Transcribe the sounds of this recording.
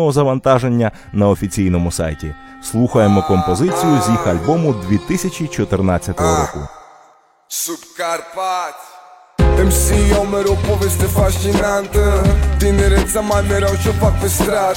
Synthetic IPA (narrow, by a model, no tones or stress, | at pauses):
ɔɦɔzɐʋɐnt̪ɑʒe̞nʲːɐ | nɐɔfʲit͡sʲijn̪ɔmʊsɑ̰jtʲḭ | slˠuxɐjemɔkɔmpɔzɪt͡sʲijʊzʲjixɐlʲbɔmʊd̪ʲʋʲit̪ɪsʲɐt͡ʃʲit͡ʃɔt̪ɪrnat͡sʲːɐt̪ɔɦɔɾɔkʊ̰ | supkaɾpat̪ʲ | t̪ɛmsʲijɔwmɛɾɔpɔʋest̪efɐʃt̪inant̪t̪ɪneɾɛt̪sɐmanɛɾawt͡ʃɔpakɪst̪ɾa